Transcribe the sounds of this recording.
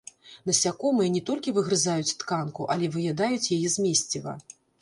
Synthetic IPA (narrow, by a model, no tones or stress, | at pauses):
nɐsʲakɔmɨjɛnʲɛt̪ɔlʲkʲivɨɣɾɨzajut͡sʲt̪kankuʔɐlʲɛvɨjad̪ajut͡sʲjajɛzʲmʲesʲt͡sʲivɐ̰